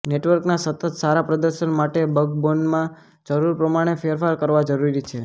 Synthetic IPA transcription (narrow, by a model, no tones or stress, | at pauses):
neʈʋəɾknasət̪ət̪saɾapɾəd̪əɾʃənmaʈebəɡ̚bonmã | d͡ʒəɾuɾpɾəmaɽ̃efeɾfaɾkəɾʋad͡ʒəɾuɾit͡ʃʰe